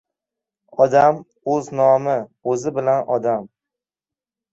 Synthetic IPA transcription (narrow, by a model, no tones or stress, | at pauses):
ɒd̪am | ɵznɒmɪɵzɪbɪlanɒd̪am